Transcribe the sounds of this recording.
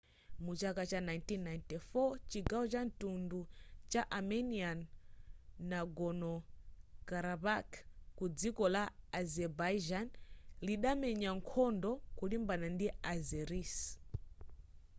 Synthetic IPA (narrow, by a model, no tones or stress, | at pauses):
mut͡ʃakat͡ʃanajntinːajntifɔt͡ʃiɡawɔt͡ʃantundut͡ʃaʔamɛnianː | aɡɔnɔkaɾaβakkud͡zikɔlaazɛbad͡ʒanliɗamɛɲaŋkʰɔndɔkulimbanandiazɛɾis